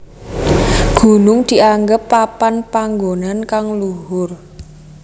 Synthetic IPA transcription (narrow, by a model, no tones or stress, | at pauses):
ɡ̥ṳnʊŋd̪̥i̤ʔaŋɡəpːapanpaŋɡonankaŋluɦʊr